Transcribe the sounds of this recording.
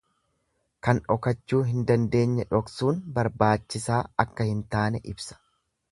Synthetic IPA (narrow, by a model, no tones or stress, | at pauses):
kɐnᶑɔkɐt͡ʃːuːɦɪnd̪ɐnd̪e̞ːɲːɛᶑɔksuːnbɐɾbaːt͡ʃːɪsaːɐkːɐhɪnt̪aːnɛʔɪbsɐ̥